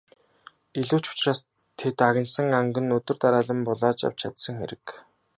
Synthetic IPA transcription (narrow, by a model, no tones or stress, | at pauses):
iɮuːt͡ɕʊ̥t͡ɕraːs | t̪ʰet̪aɣʲɪ̆nsə̆ŋaŋɡɘ̆nɵt̪ɵ̆rt̪aɾaːɮə̆mpʊɮaːt͡ɕa̰w̥t͡ɕʰat̪sə̆ŋxḛɾɘ̆k